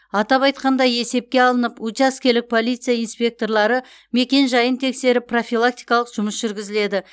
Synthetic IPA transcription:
ɑt̪ɑpɑjt̪qɑnd̪ɑje̞se̞p̚kʲe̞ɑlˠənəput̪ʲaskʲelɪk̚pʰo̞lijt̪sɨjainspʲe̞k̚t̪o̞rlˠɑɾə | me̞kʲe̞nʒɑjənt̪ʰe̞kse̞ɾɪpːro̞fʲilˠak̚t̪ijkɑlˠəqʒ̥ʊməsʒ̥ʏɾɡʲɪzɪle̞d̪ɪ

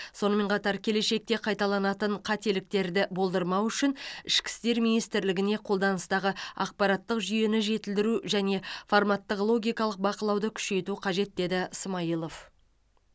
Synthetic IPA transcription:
so̞nəme̞ɴqʰɑt̪ɑɾkʲʰe̞le̞ʃe̞k̚t̪e̞qʰɑjt̪ɑlˠɑnɑt̪əɴqʰɑt̪e̞lɪk̚t̪e̞ɾd̪ɪbo̞lˠd̪əɾmɑwʏʃɪnɪʃkʲɪ̥st̪e̞ɾminijst̪ɪɾlɪɡʲɪne̞qʰo̞lˠd̪ɑnəst̪ɑʁəɑ̰q̚pɑɾɑt̪ːəqʒʏje̞nɪʒe̞t̪ɪld̪ɪɾuʒæne̞farmɑt̪ːəqlˠo̞ɡʲijkɑlˠəq̚bɑqəlˠɑwd̪əkʲʰʏ̥ʃe̞jt̪uqʰɑʒe̞t̪̚d̪e̞d̪ɪsəmɑjəlˠof

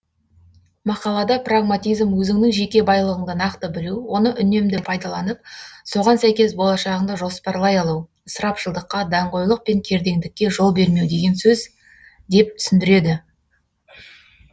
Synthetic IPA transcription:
mɑqɑlˠɑd̪ɑpraɡmat̪ijzmwɵzɪŋnɪŋʒe̞kʲe̞bɑjlˠəʁəɴd̪ɑnɑqt̪əbɪluwo̞nəʔʏne̞md̪ɪpʰɑjd̪ɑlˠɑnəp̚so̞ʁɑnsæjkʲe̞sbo̞lˠɑʃɑʁəɴd̪ɑʒo̞spɑɾlˠɑjɑlˠuw | səɾɑpʃəlˠd̪əqːɑd̪ɑɴqo̞jlˠəq̚pe̞ŋkʲʰe̞ɾd̪e̞ŋd̪ɪkʲːe̞ʒo̞lˠbe̞ɾme̞wd̪e̞ɡʲe̞nsɵz | d̪e̞p̚t̪ʰʏ̥sɪnd̪ɪɾe̞d̪ɪ

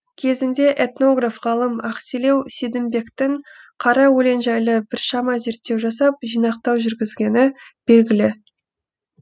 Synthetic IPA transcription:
kʲʰe̞zɪnd̪e̞ʔet̪no̞ɡrafʁɑlˠəmɑqsile̞wsid̪ɪmbe̞kt̪ɪɴ | qʰɑɾɑwɵle̞nʒɑjləbɪɾʃɑmɑze̞ɾt̪ːe̞wʒɑsɑp̚ʒijnɑq̚t̪ɑwʒʏɾɡʲɪzɡʲe̞nɪb̥e̞lɡʲɪlɪ

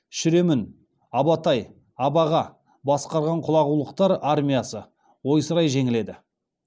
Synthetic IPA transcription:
ʃʏɾe̞mɪn | ɑbɑt̪ɑj | ɑbɑʁɑ | bɑsqɑɾʁɑɴqʰʊlˠɑʁulˠəqt̪ɑɾaɾmʲijasə | wo̞jsəɾɑjʒe̞ŋɪle̞d̪ɪ

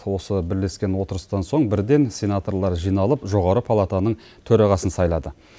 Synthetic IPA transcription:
wo̞səbɪɾle̞skʲe̞nwo̞t̪əɾəst̪ɑnso̞ɴbɪɾd̪e̞nsʲe̞nat̪o̞ɾlˠɑɾʒijnɑlˠəpʒo̞ʁɑɾəpʰalˠat̪anəɴ | t̪ʰɵɾɑʁɑsənsɑjlˠɑd̪ə

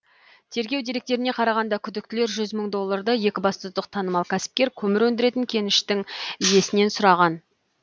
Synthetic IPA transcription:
t̪ʰe̞ɾɡʲe̞wd̪e̞ɾe̞k̚t̪e̞ɾɪne̞qʰɑɾɑʁɑnd̪ɑkʲʰʏd̪ɪkt̪ɪle̞ɾʒʏzməɴd̪o̞lˠːɑɾd̪əje̞kʲɪbɑst̪əzd̪əq̚t̪ʰɑnəmɑlˠkʲʰæsɪ̥p̚kʲe̞ɾkʲʰɵmɪɾwɵnd̪ɪɾe̞t̪ɪŋkʲʰe̞nɪʃt̪ɪŋje̞sɪne̞nsʊɾɑʁɑn

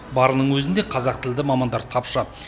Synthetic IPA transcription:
bɑɾənəɴwɵzɪnd̪e̞qʰɑzɑqt̪ʰɪld̪ɪmɑmɑnd̪ɑɾt̪ʰɑpʃə

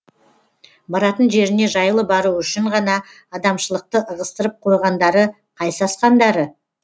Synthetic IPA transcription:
bɑɾɑt̪ənʒe̞ɾɪne̞ʒɑjlˠəbɑɾuʏʃɪɴʁɑnɑː | d̪ɑmʃəlˠəq̚t̪əʔəʁəst̪əɾəp̚qʰo̞jʁɑnd̪ɑɾə | qʰɑjsɑsqɑnd̪ɑɾə

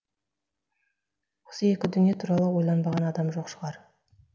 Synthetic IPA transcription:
wosəe̞kʲɪd̪ʏnijet̪ʰuɾɑlˠəwo̞jlˠɑnbɑʁɑnɑd̪ɑmʒo̞qʃəʁˠɑɾ

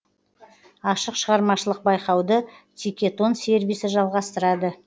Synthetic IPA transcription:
ɑʃəqʃəʁɑɾmɑʃəlˠəq̚bɑjqɑwd̪ət̪ʰikʲe̞t̪o̞nse̞ɾvisɪʒɑlˠʁɑst̪əɾɑd̪ə

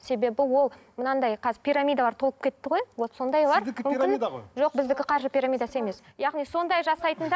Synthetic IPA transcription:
se̞be̞bɪwo̞lˠ | mənɑnd̪ɑjqʰɑzɪɾpʰʲijɾamʲijd̪alɑɾt̪ʰo̞lˠəp̚kʲʰe̞t̪ːɪʁo̞jwoso̞nd̪ɑjlɑɾmʏmʲɪnʒo̞q̚bɪzd̪ɪkʲɪqʰɑɾʃəpʲiɾamʲijd̪asəe̞me̞sjɑʁnijso̞nd̪ɑjʒɑsɑjt̪ənd̪ɑ

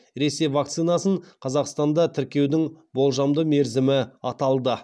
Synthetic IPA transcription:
ɾe̞se̞jvɑkt̪sɨnɑsəɴqʰɑzɑqst̪ɑnd̪ɑt̪ʰɪɾkʲe̞wd̪ɪŋbo̞lˠʒɑmd̪əme̞ɾzɪmɪɑt̪ɑlˠd̪ə

